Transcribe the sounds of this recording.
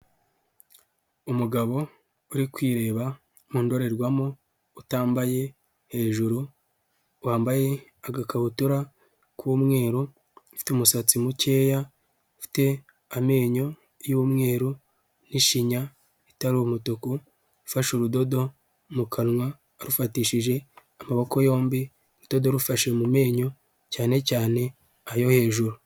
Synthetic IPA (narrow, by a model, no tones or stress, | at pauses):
umuɡaβo̞ | uɾikwiːɾe̞ːβa | muːndo̞ɾe̞ɾɡwamoː | taːmbaje̞ | he̞ːʒuɾu | waːmbaje̞ | aɡakaβutuɾa | kwuːmŋe̞ːɾo | fi̥temusat͡simuce̞ːja | fi̥te̞ | ame̞ːɲo̞ | jumŋe̞ːɾo | niʃiɲa | itaɾuumutoko | ɾufaʃuɾudo̞do̞ | mukʰanwaː | ɾufatiːʃiʒe̞ | amaβoko̞jo̞ːmbi | ɾud̥o̞doɾufaʃemume̞ːɲo̞ | caːne̞caːne̞ | ajo̞he̞ːʒuɾu